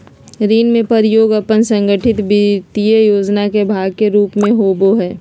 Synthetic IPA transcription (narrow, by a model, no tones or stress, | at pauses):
ɾiːnmẽpəɾjoːɡəpənsə̃ŋɡəʈʰɪt̪bit̪ijəjoːd͡ʒnakebʱaːɡkeɾuːpmẽɦoːboɦɛː